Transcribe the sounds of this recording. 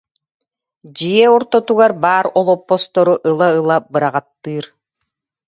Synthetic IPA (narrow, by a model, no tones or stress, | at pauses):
d͡ʑijɛɔɾt̪ɔt̪uɡaɾbaːɾɔlˠɔpːɔst̪ɔɾuʔɯlˠaɯlˠabɯɾaʁat̪ːɯːɾ